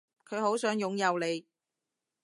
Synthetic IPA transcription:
kʰɵ˨˧ɥho˨˥wsœː˨˥ŋjʊ˨˧ŋjɐ˨˧wle˨˧j

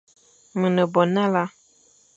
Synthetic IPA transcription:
mɨ˨nə˨bɔ˨nã˦la˦

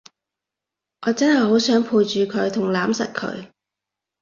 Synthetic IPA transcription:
ʔɔː˨˧t͡sɐ˥nhɐ˨jɦo˨˥wsœː˨˥ŋpʰuː˧jt͡ʃyː˨kʰɵ˨˧ɥt̪ʰʊ˨˩ŋlaː˨˥msɐ˨t̚kʰɵ̰˨˧ɥ

